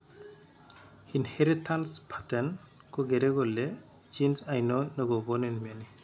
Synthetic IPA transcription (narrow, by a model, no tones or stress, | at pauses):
inheɾitʰanspʰatɛn | kɔɡeɾɛɡɔlːɛ | d͡ʒinsajnɔnɯɡɔbɔnenmiani